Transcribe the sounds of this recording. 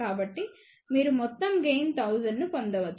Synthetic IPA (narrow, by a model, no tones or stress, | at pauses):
aːbɐʈːi | miːɾumɔt̪ːɐmɡejnt̪ʰɐwzɐnːupond̪ɐʋɐt̪ː